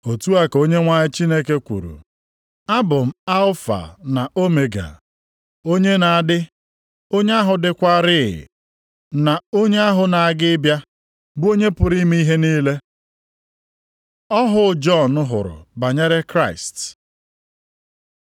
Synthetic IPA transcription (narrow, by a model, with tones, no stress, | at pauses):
o˨tu˦a˦ko˦ɲe˦ŋʷa˨ɲɪ˦t͡ʃi˦ne˦ke˦kʷṵ˨ɾṵ˨ | a˦bʊ˨m̩˦a˦lʊ˦fa̰˨na˨o˦me˨ɡa̰˨ | o˦ɲe˦na˨a˦˨dɪ˦ | o˦ɲe˦a˦ɦʊ˨dɪ˦kʷa˦ɾɪ˦˨ɪ̰˨ | na˨o˦ɲe˦a˦ɦʊ˨na˨a˨ɡɪ˦bja˦ | bo˦ɲe˦pʊ˨ɾi˦mi˦i˦ɦe˦niː˦le˦ | ɔ˦ɦʊ˦˨d͡ʒɔ˦˨nʊ˦ɦʊ̰˨ɾʊ̰˨ba˨ɲe˦ɾe˦kɾa˦˨ɪ˨st